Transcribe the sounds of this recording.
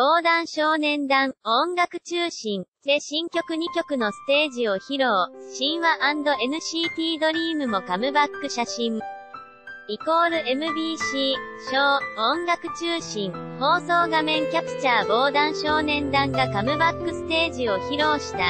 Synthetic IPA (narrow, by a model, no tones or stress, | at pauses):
b̥o̞ːd̪ãɰ̃ɕo̞ːnẽ̞nd̪ãɰõ̞ŋɡakɯ̟̥t͡ɕɨːɕĩnse̞ːɕĩŋkʲo̞kɯ̟ɲ̟ikʲo̞kɯ̟no̞sɨ̥t̪e̞ːʑio̞çiɾo̞ːɕĩɰ̃βaʔãnd̪o̞e̞nɯ̟ɕiːt̪ʲiːd̪o̞ɾʲiːmɯ̟mo̞kamɯ̟bakːɯ̟ɕaɕĩɴ | iko̞ːɾɯ̟e̞mɯ̟bʲiːɕiːɕoːõŋɡakɯ̟̥t͡ɕɨːɕĩŋho̞ːso̞ːɡamẽ̞ŋkʲapɯ̟̥t͡ɕaːbo̞ːd̪ãɰ̃ɕo̞ːnẽ̞nd̪ãŋɡakamɯ̟bakːɯ̟sɨ̥t̪e̞ːʑio̞çiɾo̞ːɕi̥t̪a